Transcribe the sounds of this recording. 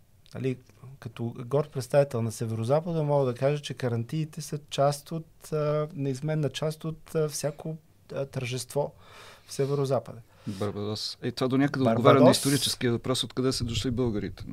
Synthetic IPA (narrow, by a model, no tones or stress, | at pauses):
ɐ̰likɐt̪ɔɡɔɾt̪pɾɛt̪st̪avit̪ɛlˠnɐsɛvɛɾozapəd̪əmɔɡəd̪ɐkaʒət͡ʃɛkɐɾɐnt̪iːt̪ɛsət͡ʃast̪ot̪nɛizmɛnːət͡ʃast̪ot̪fsʲjako | t̪əɾʒɛst̪vɔfsɛvɛɾozapəd̪ə | bəɾbɐd̪ɔsit̪ovad̪onʲjakəd̪ɛoɾɡovaɾɛnɐist̪oɾit͡ʃɛskiəvɐpɾɔsot̪kɐd̪ɛsɛd̪oʃlibɤlˠɡəɾḭt̪ɛ̥